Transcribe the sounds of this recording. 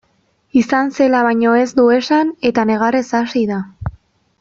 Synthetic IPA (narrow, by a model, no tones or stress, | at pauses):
isanse̞laβajɲo̞e̞zd̪ue̞sane̞t̪ane̞ɣ̞aresasiða